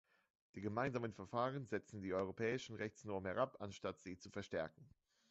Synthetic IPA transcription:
d̥iːɡəmaɪnzaːmənfɛɐfaːʁ̞ənzɛt͡sn̩diːʔɔʏʁopʰɛːɪʃn̩ʁɛçt͡snɔɐməhɛʁapanʃtatz̥iːt͡sufɛɐʃtɛɐkŋ̩

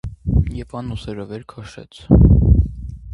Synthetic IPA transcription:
jɛvɑnusɛɾəvɛɾkʰɑʃɛ̰t͡sʰ

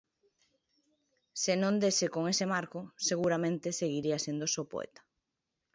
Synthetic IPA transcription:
senõnd̪esekoŋesemaɾkʊseɣuɾamẽnt̪eseɣiɾiasend̪osopo̰ḛt̪ḁ

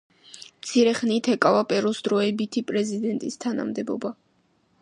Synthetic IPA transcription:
mt̪sʰiɾɛχnit̪ʰɛkʼavapʼɛɾɔsd̪ɾɔɛbit̪ʰipʼɾɛzid̪ɛnt̪ʼist̪ʰana̰md̪ɛbɔ̰ba

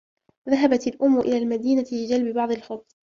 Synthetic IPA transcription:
ðaɦabat̪alʔʊmːʊʔɪlaːlmad̪iːnat̪ɪbɪd͡ʒalbɪbɑʕd̪ˤɪlxʊt̪ˤː

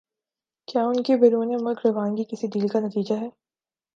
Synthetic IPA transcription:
kjaːʊnkebeɾuːnemɐkɾɐʋãːnɡikɪsid̪iːlkanɐt̪iːd͡ʒaɦɛː

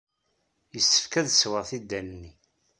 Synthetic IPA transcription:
jəsːə̥fkæðswəʁθid̪ːænnːi

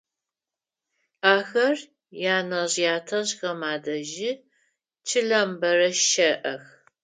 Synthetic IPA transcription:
aːxɐr | jaːnɐʑjaːtʰɐʑxɐmaːdɐʒɪ | t͡ʃʰɨɮɐmbɐrɐʃɐʔɐx

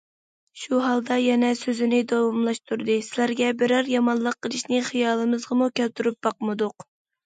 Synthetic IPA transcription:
ʃuɦɑlˠd̪ɑjɛnɛsøzɪnɪd̪ɑwɑmlˠɑʃt̪uɾd̪ɨsɪlæɾɡʲɛbɪɾɑɾjɑmɑnlˠəqːəlˠɨʃnɪχijɑːlˠɨmɨzʁɑmukʲælt̪yɾyp̚bɑqmɨd̪ʊq

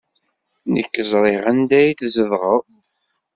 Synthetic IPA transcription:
nəkːəzˤɾˤeʁænd̪æjθzəvʁəðˤ

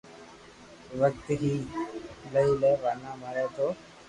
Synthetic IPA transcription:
ʋəkt̪ɦiː | ləilɛːʋanaːməɾɛːt̪oː

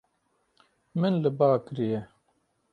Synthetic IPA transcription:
mɨnlɨbaːkɾijɛ

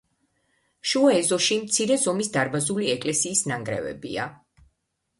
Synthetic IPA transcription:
ʃuɔɛzɔʃimt̪sʰiɾɛzɔmisd̪aɾbazuliɛkʼlɛsiːsnaŋɡɾɛ̰vɛ̰bḭa

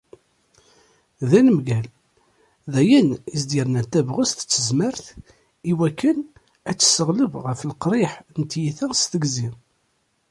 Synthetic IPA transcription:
ðænəmɡæl | ðæjənizd̪ɪɾnæt̪ːævʁəst̪ə̥t͡sːəzməɾθ | iwækːən | æt͡sːə̥səʁləbʁəfəlqɾˤɪħnt̪jiθæst̪əɡzi

